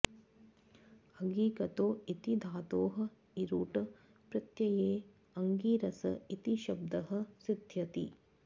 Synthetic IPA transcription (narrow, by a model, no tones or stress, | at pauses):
ɐɡiːkɐt̪oːit̪id̪ʱaːt̪oːɦɐ̆ | iɾuːʈɐ | pɾɐt̪jɐjeː | ɐŋɡiːɾɐsɐit̪iʃɐb̚d̪ɐɦɐ̆sid̪ʱjɐt̪ḭ